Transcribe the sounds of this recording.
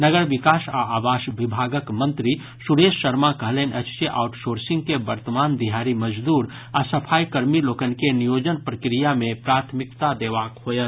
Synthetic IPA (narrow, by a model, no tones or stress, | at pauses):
nəɡəɾʋikaːsaaːbaːʃʋibʱaɡəkmə̃nt̪ɾi | suɾesːəɾmakəɦlenʔət͡ʃsjəʔa̰ʊʈsoɾsɪ̃ŋɡkebəɾt̪əmaːnd̪iɦaɾiməd͡ʒd̪uːɾ | asəpʰaːjkəɾmiloːkənkenijoːd͡ʒənpɾəkɾijamẽpɾaːt̪ʰmɪkt̪ad̪eːʋaːkɦojət̪